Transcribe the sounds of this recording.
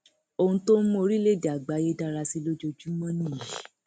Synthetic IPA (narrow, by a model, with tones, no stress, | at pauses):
o˧˨ũ˧˦to˦o˧ɾi˦le˦˨da˨ɡ͡ba˨˦je˦da˧ɾa˧si˦lo˦d͡ʒo˧d͡ʒu˦mɔ̃˦nĩ˦˨i˨˦